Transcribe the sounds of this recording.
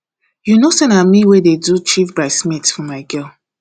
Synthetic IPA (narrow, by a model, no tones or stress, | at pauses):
junosɛ̃namiwededut͡ʃifbaɪsmitfɔmaɪɡɛl